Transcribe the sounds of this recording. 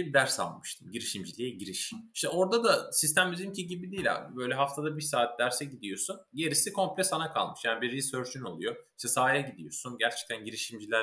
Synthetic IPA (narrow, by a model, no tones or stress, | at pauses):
ibid̪æɾsa̰lˠmɯ̥ʃt̪ʰɯmɟiɾiʃimd͡ʒilʲijɛɟiɾiʃimi̥ʃt̪ɛo̞ɾd̪ad̪asist̪ʰæmbizimcʰiɟibid̪iːlʲɛ̰bø̞jlʲɛɦaft̪ʰad̪abiɾsaːt̪ʰd̪æɾsɛɟid̪ijo̞sunɟe̞ɾisikʰo̞mplʲɛsanakʰa̰lˠmɯʃjaːnibiɾːizøɾt͡ʃʰyno̞lˠujo̞iʃt̪ʰɛsaːjɛɟid̪ijo̞̰sunɟæɾt͡ʃʰɛ̥c̚t̪ʰænɟiɾiʃimd͡ʒilʲæɾ